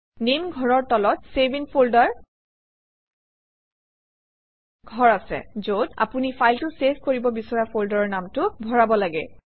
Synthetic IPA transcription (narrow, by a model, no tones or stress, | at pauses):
nemɡʱɔɹɔɹtɔlɔtsebinpʰoldaɹ | ɡʱɔɹasɛ̰zoda̰punifʰajltʊseskoɹibɔbisɔɹapʰoldɔɹɔɹnamtʊbʱɔɹabɔlaɡɛ̰